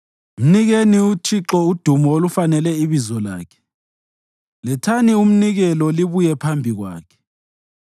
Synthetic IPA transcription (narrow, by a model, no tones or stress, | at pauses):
m̩niɣeniutʰiǁɔud̥ʱumɔolufanɛlɛiβizɔla̰ːkʰɛ̥ | lɛtʰanium̩niɣɛlɔliβujɛpʰambʱiɣwa̰ːkʰɛ̥